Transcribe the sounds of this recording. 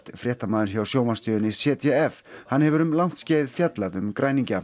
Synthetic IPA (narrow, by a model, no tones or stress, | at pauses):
t̪fɾɛːht̪amaːðʏɾ̥çawsjoːwmanst̪ʏːðʏnɪsɛːt̪ʰɛɛfhanːhɛvʏɾʏmlawŋ̥t̪sceːjɪðfjat̪laðʏmkɾʔaːjniɲca